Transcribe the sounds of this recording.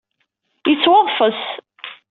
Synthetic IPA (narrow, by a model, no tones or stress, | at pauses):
jət͡sːwɑðˤfəs